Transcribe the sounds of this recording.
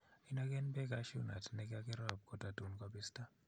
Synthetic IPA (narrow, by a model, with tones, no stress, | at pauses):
i˦na˦k̬ɛ˦nbɛ˦k̬aʃu˦na̰˨tnɛ˦ka˦kɛ˦ɾa˦˨b̚kɔ˨ta˨tu˨nkwabi˦sta˦